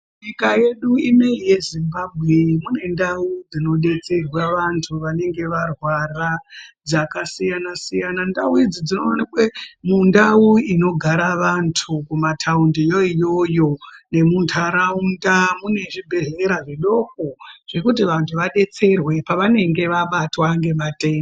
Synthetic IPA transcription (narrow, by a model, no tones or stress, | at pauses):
ɲikaje̞ɗuimeije̞zimbabʱɣe̞mune̞ndaud͡zino̞ɗe̞t͡se̞rwaʋantʰuʋane̞ŋɡe̞ʋarwarad͡zakasijanasijanandauid͡zid͡zino̞anikwemundauino̞ɡʱaɾaʋantʰukumatʰaundijo̞ijo̞jo̞ne̞muntʰaɾaundamune̞ʐibʱe̞ɦeɾaʐeɗo̞ko̞ʐ̥e̞kut̬iʋantʰuʋaɗe̞t͡se̞rwe̞paʋane̞ŋɡe̞ʋaɓatwaŋɡe̞maten